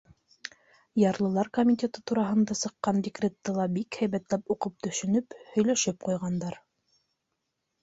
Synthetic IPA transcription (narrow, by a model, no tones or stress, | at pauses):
jɑɾlˠɤ̆lˠɑɾkomʲitʲet̪ɤt̪uɾɑɦɤ̆nd̪ɑsɤ̆qːɑndʲɪkrʲet̪ːɤlˠɑbikhæjβæt̪læpuqɤp̚t̪ɵ̆ʃɵ̆nɵphɵ̆jlæʃɘp̚qujʁɑnd̪ɑɾ